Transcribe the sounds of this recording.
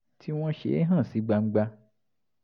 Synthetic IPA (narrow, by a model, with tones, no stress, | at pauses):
tʰi˦w̃ɔ̃˦ʃḛ˨˦ɦã˦˨si˨˦ɡ͡ba˧ŋ͡m̩˦ɡ͡ba˧